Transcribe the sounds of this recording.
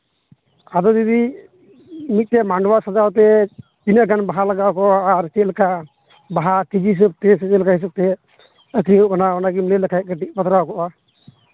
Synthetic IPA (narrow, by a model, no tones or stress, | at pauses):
ad̪ɔd̪id̪i | mit̪̚ˀt̪ɛmaɳɖwasad͡ʒawt̪ɛ | d͡ʒinəʔɡanbaɦalaɡawkɔʔaːɾt͡ʃɛlka | baɦakid͡ʒiɦis̬əb̚t̪ɛsɛt͡ʃɛlkaɦis̬ab̚t̪ɛ | əkniukanaɔnaɡimlɛləkʰaj̚kəʈik̚bat̪ɾawkɔʔa